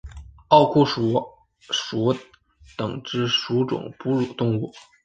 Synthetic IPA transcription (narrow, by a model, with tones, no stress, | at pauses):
ɑ˥˧ʊkʰu˥˩ʂu˧˥ | ʂu˧˥ | t̪ɤ˨˩ŋʈ͡ʂɻ̩˥ʂu˧˥ʈ͡ʂʊ̰˨˩ŋpu˥ɻu˨˩t̪ʊ˥˧ŋu˥˩